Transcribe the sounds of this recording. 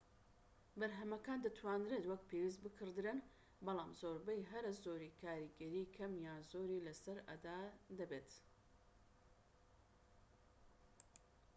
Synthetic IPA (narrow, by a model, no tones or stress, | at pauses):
bɐɾɦɐmɐkaːnd̪ɨt̪ʰwaːnɾet̪wɐk̚pʰewiːs̬t̪̚bɨkʰɨɾd̪ɨɾɨn | bɐlˠaːmzoːɾbɛjɦɐɾɐzoːɾiːkʰaːɾiɡɐɾiːkʰɐmjaːzoːɾiːlɐsɐɾɐ̰d̪aːd̪ɐbeːt̪